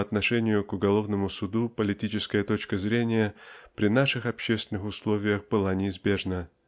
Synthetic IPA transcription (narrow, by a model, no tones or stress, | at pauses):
ɐt̪nɐʂɛnʲɪjʊkʊɡɐlˠo̞vnəmʊsʊd̪upəlʲɪtʲit͡ɕɪskəjət̪o̞t͡ɕkəzɾʲenʲɪjəpɾʲɪnaʂɨxɐpɕːest̪vʲɪnɨxʊslˠo̞vʲɪjəxbɨlˠanʲɪɪzbʲe̞ʐnə